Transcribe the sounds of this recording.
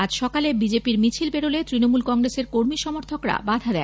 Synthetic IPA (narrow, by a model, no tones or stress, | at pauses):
ad͡ʑʃɔkalebid͡ʑepiɾmit͡ɕʰilbeɾolet̪ɾinomulkɔŋɡɾeseɾkoɾmiʃɔmoɾt̪ʰokɾa̰bad̪ʱad̪ɛ